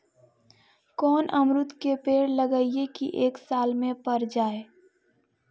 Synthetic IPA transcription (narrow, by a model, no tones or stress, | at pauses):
kɔːnʔəmɾʊt̪kepeːɽləɡəːiekḭʔeːksaːlmẽpəɾd͡ʒaːe